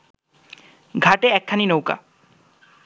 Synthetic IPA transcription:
ɡʱaʈeɛkʰːaninowka̰

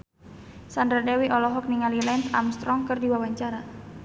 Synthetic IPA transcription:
sandɾadɛwiʔɔlɔɦɔk̚niŋalilɛnt̪a̰mst̪ɾɔŋkɨrdiwawaɲt͡ʃaɾa

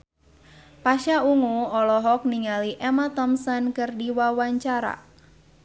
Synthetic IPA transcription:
paʃauŋuɔlɔɦɔk̚niŋaliʔɛmat̪ɔmsankərdiwawaɲt͡ʃaɾa̰

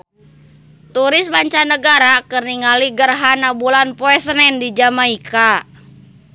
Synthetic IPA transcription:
t̪uɾɪsbaɲt͡ʃanəɡaɾakərniŋaliɡərɦanabulanpoɛsənɛndid͡ʒamaika

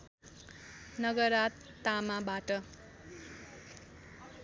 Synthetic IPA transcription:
nʌɡʌɾat̪ː | amabaʈʌ

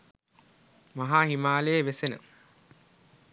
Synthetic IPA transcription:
maɦaːɦimaːleːʋesenə̰

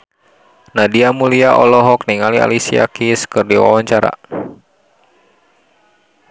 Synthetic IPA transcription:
nadiamuliaʔɔlɔɦɔk̚niŋalia̰lisia̰kiskɨrdiwa̰waɲt͡ʃaɾa̰

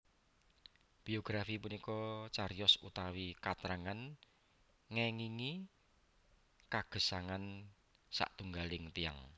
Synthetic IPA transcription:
b̥ioɡ̥ɾafipunikɔt͡ʃaɾijɔsṵt̪awikat̪ɾaŋan | ŋɛŋiŋi | kaɡ̥ə̤saŋan | sa̰ʔt̪uŋɡalɪŋt̪ija̰ŋ

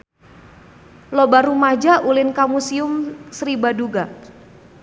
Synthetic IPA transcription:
lobaɾumad͡ʒaʔulɪnkamusiʊmsɾibaduɡa

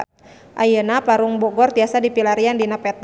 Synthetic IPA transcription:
ʔajənapaɾuŋbɔɡɔrt̪iasadipilaɾiandinapɛt̪

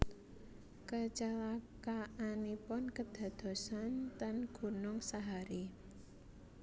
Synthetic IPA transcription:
kət͡ʃalakaʔanipʊnkəd̪̥ä̤d̪̥o̤sant̪anɡ̥ṳnʊŋsaɦaɾi

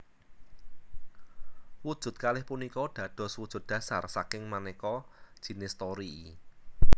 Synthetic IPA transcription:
wud̥ʒ̥ʊ̤t̪̚kalɪhpunikɔɖ̥ä̤d̥ɔ̤swud̥ʒ̥ʊ̤t̪̚d̥ä̤sa̰rsakɪŋmanekɔd̥ʒ̥i̤nɪst̪ɔɾi

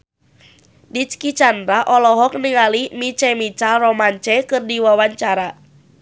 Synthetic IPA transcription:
dit͡ʃkit͡ʃandɾaʔɔlɔɦɔk̚niŋalimit͡ʃɛmit͡ʃalrɔmaɲt͡ʃɛkɨrdiwawaɲt͡ʃaɾa

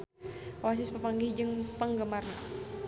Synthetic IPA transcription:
was̬ɪspəpaŋɡid͡ʒəŋpəŋɡəmarna

